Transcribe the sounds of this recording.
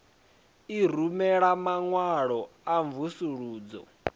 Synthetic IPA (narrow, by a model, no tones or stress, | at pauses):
ir̤umɛɺamaŋwaɺɔaɱvusuɺuːd͡zɔ̰